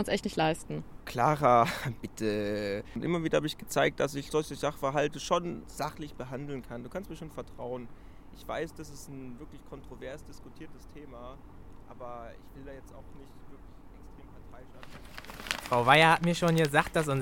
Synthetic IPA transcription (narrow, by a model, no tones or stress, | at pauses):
ʊnsʔɛçtnɪçtlaɪstn̩kʰl̥aːʁab̥ɪtʰəntʔɪ̰mɐviːdɐhaːbəɪçɡ̥ət͡saɪk̚t̚d̥asɪçz̥ɔlçəzaχfɛɐɦaltəʃoːnz̥aχlɪçb̥əɦandl̩nkʰanduːkʰanst̚miːɐʃoːnfɛɐtʁ̥aʊən | ʔɪçv̥aɪsd̥asɪsn̩vɪɐklɪçkʰɔntʁ̥ovɛɐsd̥ɪskutʰiːɐtəstʰeːmaː | ʔʔa̰ːbɐʔɪ̰çv̥ɪldaːjɛt͡sta̰ʊxnɪçtv̥ɪɐklɪçʔɛkstʁ̥eːmpʰaɐtʰaɪʃa | fʁ̥aʊvaɪɐhatmiːɐʃoːnjəzaːχt̚d̥as̬ʊn